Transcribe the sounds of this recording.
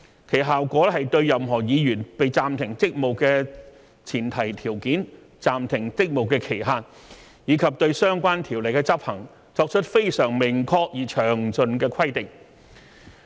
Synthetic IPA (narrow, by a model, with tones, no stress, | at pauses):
kʰe˨˩jɦaː˨wkʷɔː˨˥ɦɐ˨jt̪ɵ˧ɥjɐ˨mɦɔː˨˩jiː˨˧jyː˨˩npe˨jt͡saː˨mt̪ʰɪ˨˩ŋt͡sɪ˥k̚mo˨˩wkɛː˧ | t͡sʰiː˨˩nt̪ʰɐ˨˩jt̪ʰiː˨˩wkiː˨˥n | t͡saː˨mt̪ʰɪ˨˩ŋt͡s̪ɪ˥k̚mo˨˩wkɛː˧kʰe˨˩jɦaː˨˧n̚ | jiː˨˧kʰɐ˨p̚t̪ɵ˧ɥsœː˥ŋkʷaː˥nt̪ʰiː˨˩wle˨˩jkɛː˧t͡sɐ˥p̚hɐ˨˩ŋ | t͡sɔː˧k̚t͡ʃʰɵ˥t̚fe˥jsœː˨˩ŋmɪ˨˩ŋkʰɔː˧k̚jiː˨˩t͡ʃʰœː˨˩ŋt͡sɵ˧nkɛː˧kʰɐ˥jt̪ɪ˨ŋ̚